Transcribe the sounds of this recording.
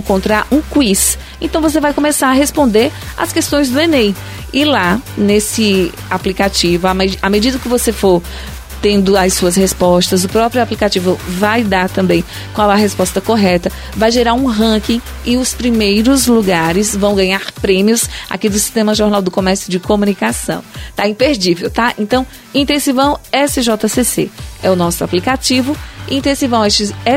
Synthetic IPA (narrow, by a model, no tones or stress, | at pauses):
kõnt̪ɾaɾũkwis | ẽnt̪ɐ̃w̃vos̬evajkõmesaɾɐɦespõnd̪eɾ | a̰skest̪õj̃zd̪ʊenej | ɪlanesɪ | aplikat͡ʃivʊamamed͡ʒid̪ɐkɪvosefoɾ | t̪ẽnd̪ʊasuɐs̬hespɔst̪ɐzʊpɾɔpɾjʊaplikat͡ʃivʊvajd̪aɾt̪ɐ̃mbẽj̃ | kwãwɛɐɦespɔst̪ɐkoɦɛt̪ɐ | vajʒeɾaɾũɦɐ̃kĩ | ɪʊspɾimejɾʊzluɡaɾɪzvɐ̃w̃ɡɐ̃ɲaɾpɾẽmiʊsa̰kid̪ʊsi̥st̪ẽmɐʒoɾnawd̪ʊkomɛɾsjʊd͡ʒɪkomũnikasɐ̰̃w̃t̪aĩpeɾd͡ʒivewt̪aḛ̃nt̪ɐ̃w̃ | ĩt̪ẽsivɐ̃w̃ɛsɪʒɔt̪ɐsesḛɛʊnɔsʊaplikat͡ʃivʊĩt̪ẽsivɐ̃w̃ɛst͡ʃɪɛ